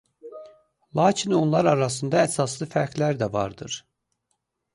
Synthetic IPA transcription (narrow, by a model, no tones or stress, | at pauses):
lˠɑːcʰino̞nlˠɑɾɑɾɑsɯnd̪ɑæsɑslˠɯfæɾklæɾd̪ævɑ̰ɾd̪ɯɾ̥